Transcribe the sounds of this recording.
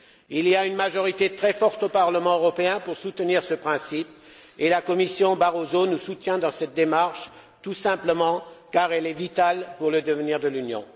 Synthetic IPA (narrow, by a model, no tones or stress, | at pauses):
iliaynmaʒɔʁit̪et̪χɛfɔʁt̪opaʁləmɑ̃øʁɔpeɛ̃puʁsut̪əniʁsəpχɛ̃sip̚ | elakɔmisjɔ̃baʁozonusut̪jɛ̃d̪ɑ̃sɛt̪̚d̪emaʁʃ | t̪usɛ̃pləmɑ̃kaʁɛlɛvit̪alpuʁləd̪əvəniʁd̪əlynjɔ̰̃